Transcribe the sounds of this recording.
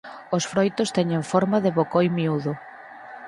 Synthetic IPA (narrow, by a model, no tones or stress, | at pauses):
osfɾojt̪ʊst̪ɛɲeɱfɔɾmaðɪβokojmiuðʊ